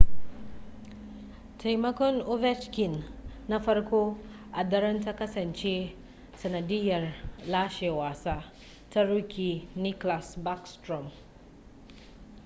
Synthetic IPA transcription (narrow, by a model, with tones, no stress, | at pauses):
tʰe˨jmɐ˦ko˦no˦vɛ˦t͡ʃki˨nːɐ˦fɐ˦ɾko˦ | a˨d̪ɐ˦ɾɐ˦ntɐ˦kɐ˦sɐ˨nt͡ʃe˦ | sɐ˨nɐ˨di˦jɐ˨ɾla˦ʃe˨wa˨sa˦ | tɐ˦ɾu˦ki˨ni˦kla˨sba˦kstɾɔ˨m